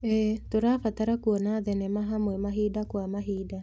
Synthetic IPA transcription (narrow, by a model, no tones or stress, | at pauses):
ɛtoɾafataɾakuɔnaðɛnɛmaɦamwɛmaɦidakwamaɦida